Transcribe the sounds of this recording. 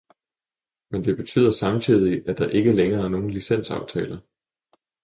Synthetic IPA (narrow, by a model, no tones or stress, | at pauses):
mend̥e̝b̥e̝t͡sʰy̰ð̰ˠɐsɑ̈mt͡sʰið̰ˠiæd̥ɑ̈ʔe̝ɡ̥əleŋɐːæɐno̝ːn̩lisen̰sɑ̈ʊt͡sʰɛːlɐ